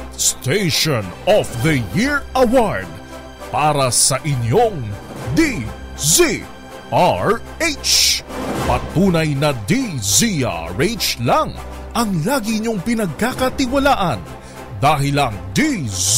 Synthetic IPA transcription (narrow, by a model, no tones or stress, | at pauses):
st̪ejʃonɔfðɐjɪɹɐwaɹd̪̚ | paːɾɐsɐʔɪɲjoŋ | d̪izi | ʔaɹ | et͡ʃ | mɐ̰t̪uːnɐjnɐd̪izia̰ɹet͡ʃlɐŋ | ʔɐŋlaːɡɪɲo̞ŋpɪnɐɡ̚kakɐt̪ɪwɐlaːʔɐn | d̪aːɦɪlɐŋd̪i